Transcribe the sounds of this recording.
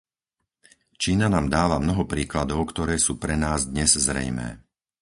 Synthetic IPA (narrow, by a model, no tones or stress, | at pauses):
t͡ʃiːnanaːmd̪aːʋamnɔɦɔpɾiːklad̪ɔʊkt̪ɔɾɛːsuːpɾɛnaːzd̪ɲɛzzɾɛ̰jmɛ̰ː